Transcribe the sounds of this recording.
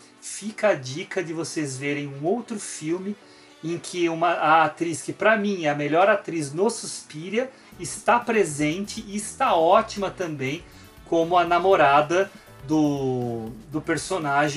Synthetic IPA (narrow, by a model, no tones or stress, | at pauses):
fikɐɐd͡ʒikɐd̪ɪvosezveɾẽj̃ũowt̪ɾʊfiwmɪ | ẽkʰɪũmɐɐat̪ɾiskɪpɾɐmĩɛɐmeʎɔɾat̪ɾiznosuspiɾɐ | ɪst̪apɾezẽnt͡ʃɪʔɪːst̪aɔt͡ʃimɐt̪ɐ̃mbẽj̃ | kõmʊɐnamoɾad̪ɐ | d̪ʊ | d̪ʊpeɾsonaʒẽ